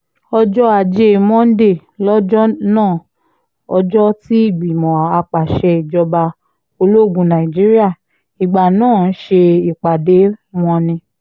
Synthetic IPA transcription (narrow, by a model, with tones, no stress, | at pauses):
ɔ˧d͡ʒɔ˦a˨d͡ʒe˦˨mɔ̃˦n̩˦de˦˨ | lɔ˦d͡ʒɔ˦nãː˦˨ | ɔ˧d͡ʒɔ˦ti˦i˦˨ɡ͡bi˨mɔ̃˨a˧k͡pa˨ʃɛ˧i˨d͡ʒɔ˧ba˧ | o˧lo˦˨ɡũ˧˦nã˨i˨d͡ʒi˦ɾi˦a˦˨ | i˨ɡ͡ba˨nãː˦˨n̩˦ʃe˧i˨k͡pa˨de˨˦m̃ɔ̃˧nĩ˧